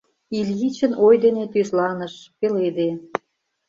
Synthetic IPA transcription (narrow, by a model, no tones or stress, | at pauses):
ilʲɣit͡ɕə̆nojd̪enet̪yʃlɑnə̆ʃpeled̪e